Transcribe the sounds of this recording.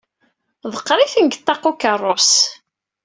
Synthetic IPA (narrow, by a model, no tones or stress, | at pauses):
ðˤəqːɾˤiθəŋɡt̪ˤːɑqːukərˤːos